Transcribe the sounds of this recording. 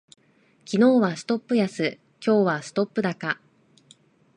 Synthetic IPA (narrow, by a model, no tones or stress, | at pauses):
kʲino̞ːβasɨ̥t̪o̞pːɯ̟jasɨ | kʲo̞ːβasɨ̥t̪o̞pːɯ̟d̪aka